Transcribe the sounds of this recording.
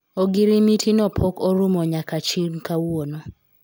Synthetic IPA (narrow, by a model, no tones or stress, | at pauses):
oɡiɾimitʰinɔpʰɔkɔɾumoɲakat͡ʃinkawuonɔ